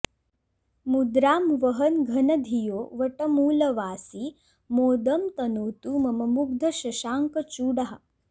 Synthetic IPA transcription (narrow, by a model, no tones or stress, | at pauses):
mud̪ɾaːmʋəɦənɡʱɐnɐd̪ʱijoːʋɐʈəmuːlɐʋaːsiː | moːd̪əmt̪ɐnoːt̪uːmɐmɐmuɡ̚d̪ʱɐɕɐʃaːŋkət͡ʃuːɽaɦa